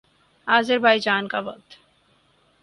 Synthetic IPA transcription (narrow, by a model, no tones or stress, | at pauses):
aːzɪɾbʱaːid͡ʒaːnkaʋɐk̚t̪